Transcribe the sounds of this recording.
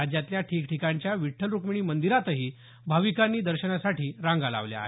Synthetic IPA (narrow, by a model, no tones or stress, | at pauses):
ad͡ʑjat̪ljaʈʰiːkʈʰikaɲt͡ɕjaʋiʈʰːəlɾukmiɳ̃iːmənd̪iɾat̪əɦiː | bʱaʋikanːiːd̪əɾɕənasaʈiːɾãŋɡala̰ʋlja̰ɦ